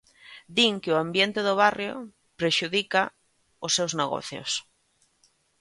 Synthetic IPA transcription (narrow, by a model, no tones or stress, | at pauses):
d̪iŋkɪoambjent̪eðʊβ̞arjo̰ | pɾeʃuðika | osːewzneɣo̰θjo̰s